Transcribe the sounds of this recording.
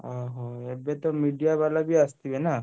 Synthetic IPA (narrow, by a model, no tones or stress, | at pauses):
ɔɦɔ̃ebet̪ɔmiɖijabalabʱiast̪ibena